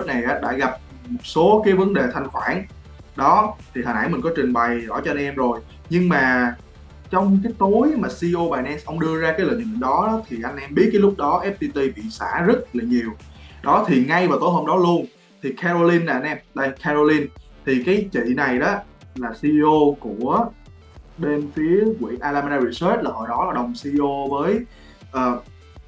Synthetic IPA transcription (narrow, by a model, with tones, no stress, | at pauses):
lɨ˦˥k̚na˨˩jʔaː˨˦ɗa̰ː˧˥ɣa˨˩p̚ | mo˨˩t̚so˨˦kaː˨˦jvə˨˦nɗe˨˩t̪ʰa˧jŋ̟xwaː˧˩n | ɗɔ˨˦t̪ʰi˨˩həː˨˩nha̰˧˩jmï˨˩ŋ̟kɔ˨˦t͡ɕï˨˩ŋ̟ɓa˨˩jzɔ̰˧˩t͡ɕɔ˧a˧nʔɛ˧mzo˨˩j | ɲɨ˧ŋmaː˨˩ | t͡ɕɔ˧wŋ͡mkaː˨˦jt̪o˨˦jmaː˨˩si˧ʔo˧ɓaː˨˩jnɛ˧nsʔə˧wŋ͡mɗɨ˧əzaː˧kaː˨˦jlə̰˧˨nʔɨ̰˧˨ɗɔ˨˦ɗɔ˨˦t̪ʰi˨˩ʔa˧jŋ̟ʔɛ˧mɓi˦˥t̚kaː˨˦lʊ˦˥k͡p̚ɗɔ˨˦ʔɛ˦˥p̚t̪i˧t̪i˧ɓḭ˧˨sa̰ː˧˩zə˦˥t̚laː˨˩ɲi˨˩əw | ɗɔ˨˦t̪ʰi˨˩ŋa˧jvaː˨˩t̪o˨˦jɦo˧mɗɔ˨˦lu˧ən | t̪ʰi˨˩kʰɛ˧ɾo˧li˧nlaː˨˩ʔa˧nʔɛ˧mɗa˧kʰɛ˧zo˧li˧nt̪ʰi˨˩kaː˨˦jt͡ɕḭ˧˨na˨˩jɗɔ˨˦ | laː˨˩si˧ʔo˧ku˧˩ə | ɗe˧nfi˨˦əkwḭ˧˩˨ʔaː˧laː˧ma˧naː˧ɹi˧swe˦˥t̚laː˨˩ho̰˨˩jɗɔ˨˦la˨˩ɗə˨˩wŋ͡msi˧ʔo˧vəː˨˦j | ʔəː˨˩